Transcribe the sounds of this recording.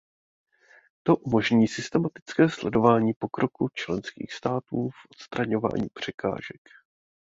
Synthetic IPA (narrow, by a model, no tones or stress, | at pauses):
t̪o̞ʔumo̞ʒɲiːsɪst̪ɛmat̪ɪ̥t͡skɛːslɛdo̞vaːɲiːpo̞kɾo̞kut͡ʃlɛnskḭːxst̪aːt̪uːfʔot̪st̪ɾaɲo̞va̰ːɲḭːpr̝̥ɛka̰ːʒɛk